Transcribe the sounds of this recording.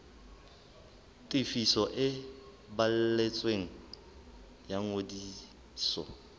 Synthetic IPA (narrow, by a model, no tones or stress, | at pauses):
tʼɪfisɔʔɪ | bal̩let͡sʼweŋ̩ | jaŋodi | sɔ̰